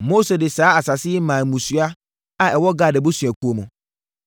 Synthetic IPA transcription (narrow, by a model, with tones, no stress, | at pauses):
mo˦se˨dɪ˨saː˨˦a˨sa˨sɪ˦ɛ˦mã˨mũ˨sɥa˦ | a˨ɛ˨wɔ˦ɡa˨dɪ˨bʊ˦sɥæ˨kʰu˨o˨mʊ̃˨